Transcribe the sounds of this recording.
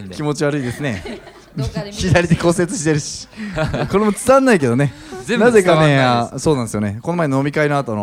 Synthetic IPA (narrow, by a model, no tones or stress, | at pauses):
kʲimo̞t͡ɕiβaɾɯid̪e̞sɨne̞ | çid̪aɾʲid̪e̞ko̞se̞t͡sɨɕit̪e̞ɾɯ̟ɕi̥ko̞ɾe̞mo̞t͡sɨ̥zãnːaike̞d̪o̞ne | naze̞kaneso̞ːnãnd̪sɨjoneko̞no̞maenono̞mʲikainoat̪ono